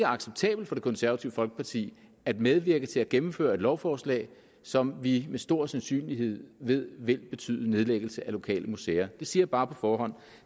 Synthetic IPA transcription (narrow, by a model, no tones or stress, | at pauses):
ɡəɑ̈ɡ̥seb̥̚t͡sʰɛ̰ːb̥l̩d̥fɒ̽ɾ̥e̝kʰɒ̽nsæɐʋæt͡sʰiʊəfɒ̽lɡ̥ə̥pʰɑt͡sʰḭː | æd̥með̞ˠʋiɐɡ̥ət͡sʰe̝læɡ̥emm̩fø̰ːɐe̝d̥lɒʊfɒːslɛ̰ːɪ | sɒ̽mʋimesd̥o̝ɐ̰sænsy̰ːnlihe̝ð̞̰ˠʋe̝ð̰ˠʋe̝lb̥e̝t͡sʰy̰ːðˠəne̝ðˠleɡ̥l̩səʔælo̝kʰɛ̰ːlʔəmuseːɐd̥e̝siɐb̥ɑ̈ːpʰɒ̽fɒːɦɒ̽n̰